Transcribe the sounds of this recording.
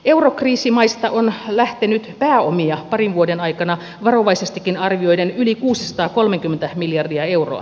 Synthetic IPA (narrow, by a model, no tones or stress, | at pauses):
eurokriːsimɑist̪ɑʔonlæht̪enyt̪pæːomiɑpɑrinʋuodenɑikɑnɑ | ʋɑroʋɑisest̪ikːinɑrʋio̞idenylikuːsisɑ̥t̪ɑːko̞lmeŋkymːent̪æmiljɑrdiɑe̞wro̰ɑ̰